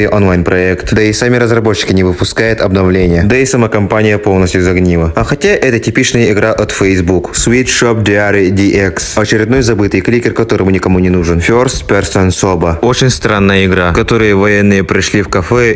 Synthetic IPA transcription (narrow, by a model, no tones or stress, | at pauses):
ɨjʔonlˠajnpɾɐɛkt̪d̪əɪsamʲɪɾəzrɐbo̞tːɪ̥kʲɪnʲɪvɨpʊskajɪt̪ɐbnɐvlʲenʲɪjəd̪əɪsɐməkɐmpanʲɪjəpo̞lˠnəsʲt̪ʲjʊzɐɡnʲilˠəɐxɐtʲaʔɛt̪ətʲɪpʲit͡ɕnəjəɪɡɾaʔɐt̪fʲɛjzbuksvʲit̪ʂop̚d̪ʲɪaɾʲɪdʲiʔɛksɐt͡ɕɪɾʲɪd̪no̞jzɐbɨt̪ɨjklʲikʲɪrkɐt̪o̞ɾəmʊnʲɪkɐmunʲɪnuʐɨnfʲorst̪pʲɪrsonsobəo̞t͡ɕɪnʲst̪ɾanːəjəɪɡɾakɐt̪o̞ɾɨjəvɐjenːɨjəpɾʲɪʂlʲifkɐfɛ